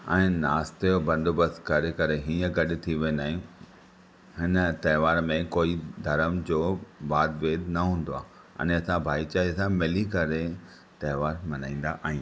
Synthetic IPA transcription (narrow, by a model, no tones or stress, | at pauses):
ɛ̃ːnaːst̪eobɐ̃nd̪ʱobɐskɐɾekɐɾeɦĩːə̃ɡɐɗɪ̆t̪ʰiʋinaːɦijũ | ɦɪnət̪ɐɦʋaːɾmẽkoːid̪ʱɐɾəmd͡ʑoːbaːd̪ʋeːd̪nɐɦũːnd̪oaː | ɐ̰̃nɐsãbʱaːit͡ɕaːɦisãmɪlikɐɾe | t̪ɐɦʋaːɾmɐnaːĩːn̆d̪a̰ʔaːɦĩː